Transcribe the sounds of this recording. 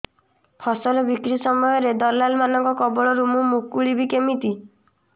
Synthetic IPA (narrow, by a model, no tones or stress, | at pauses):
pʰɔsɔlɔbikɾisɔmɔjɔɾed̪ɔlalmanɔŋkɔkɔbɔɭɔɾumumukːuɭibikemit̪i